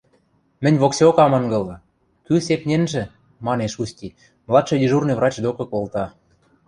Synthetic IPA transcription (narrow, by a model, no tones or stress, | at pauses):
mɘ̆nʲβoksʲokɑmɤ̆ŋɡɤ̆lɤ̆ | kysepnʲenʒĕ | mɑneʃusʲtʲi | mlˠɑt̪ʃɤ̆d̪ʲiʒurnɤ̆vrɑt͡ɕd̪okɤ̆kolˠt̪ɑ